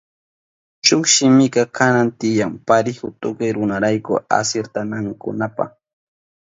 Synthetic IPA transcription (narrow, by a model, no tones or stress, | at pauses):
t͡ʃʊkʃɪmɪkakanant̪ɪjaŋpaɾɪhʊt̪ʊkajɾʊnaɾajkʊ̰a̰seɾt̪anaŋkʊ̰napa̰χ